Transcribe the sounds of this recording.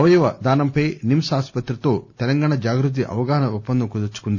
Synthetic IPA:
ɐʋɐjuʋɐd̪aːnɐmpɐjnimsaːspɐt̪ɾɐt̪o̞ːt̪ɛlɐŋɡaːɳɐd͡ʒaːɡɾut̪̬ːiʔɐ̰ʋɐɡaːɦɐnɐupːɐnd̪ɐmkud̪ɐt͡ʃːu̥kund̪i

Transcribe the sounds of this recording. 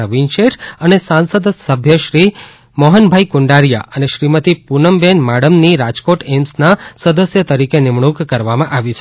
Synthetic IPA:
əʋinʃeʈʰənesãnsəd̪səbʱjəʃɾi | mɔɦənbʱajkʊɳɖaɾja̰əneʃɾimət̪ipunəmbenmaɽəmniɾad͡ʒkoʈemsnasəd̪əsjət̪əɾikenɪmɳukkəɾʋamãʔaʋit͡ʃʰe

